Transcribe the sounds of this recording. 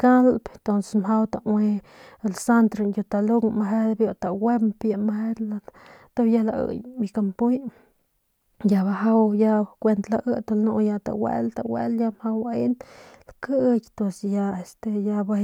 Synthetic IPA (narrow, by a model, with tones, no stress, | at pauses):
ka˦lp̪t̪o˧nse̥smɦa˦wt̪a˨we˧ | e˨lsa˦nt̪ɾi˧ju˧t̪a˧lu˦ɡma˧ɦe˦d̪bjo˧t̪a˨we˦mpja˧mahe˦d̪lat̪o˦ja˦la˧ɨ̰˨jmi˧ka˧mpu˦j | ja˧ba˧ɦa˦wja˦˧kʷe˧nt̪la˧ʔɨ˦t̪a˧lnu˧ja˧t̪a̰˨wḛ˧lt̪a̰˨wḛ˦lja˧mha˧wa˧e˦nlkɨ˦kʲt̪o˧sja˧e˧st̪e˧ja˧ba˧